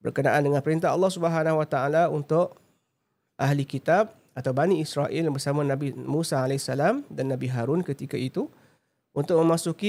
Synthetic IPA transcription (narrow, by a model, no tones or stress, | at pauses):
bə̰rkənaʔandəŋãnpəɾint̪aɦɑ̰lːɑhsubəɦanaɦwat̪aʔalaunt̪ʊʔ | ʔaɦlikit̪ab̚ | at̪awbaniːsɾaʔilbərsamãnabimũsaalɛsalamdanːabiɦaɾʊnkət̪ikait̪u | unt̪ʊʔmə̃masuki